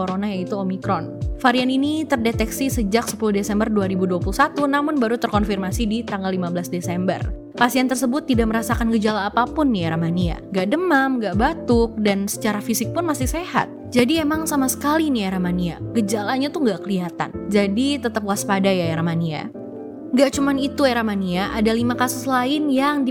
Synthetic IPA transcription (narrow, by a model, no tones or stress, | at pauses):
oɾonajait̪uomikɾɔnfaɾianinit̪ərdet̪ɛksisəd͡ʒaksə̥puluhdesɛmbərduaɾibuduapuluhsat̪unamʊnbaɾut̪ərkɔnfirmasidit̪aŋɡalːimabəlasdesɛmbə̰r | pasiɛnt̪ərsəbʊt̪ːidaʔməɾasakanɡəd͡ʒalaːpapʊnːieɾamania̰ŋɡaʔdəmamɡaʔbat̪ʊk̚dansə̥t͡ʃaɾafisɪk̚pʊnmasɪhseha̰t̪̚d͡ʒadiemaŋsamasə̥kalinieɾamania̰ɡ̥əd͡ʒalaɲat̪uŋɡaʔkəliɦat̪a̰nd͡ʒadit̪ət̪əp̚uaspadajaeɾamania̰ | ŋɡaʔt͡ʃumanit̪ueɾamaniaʔadalimakasʊslaɪnjaŋdi